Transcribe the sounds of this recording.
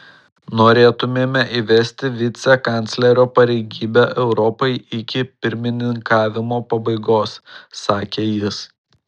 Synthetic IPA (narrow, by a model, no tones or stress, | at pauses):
noːɾʲeːt̪ʊmʲeːmʲɛʔiʋʲɛsʲt̪ʲɪʋʲɪt̪sʲɛkɐˑnʲt̪sʲlʲɛɾʲoːpɐɾʲɛɪɡʲiːbʲɛʔɛʊɾɔpɐɪɪkʲɪpʲɪɾʲmʲɪnʲɪŋkɑːʋʲɪmoːpɐbɐɪɡoːsːɑːkʲeːjɪs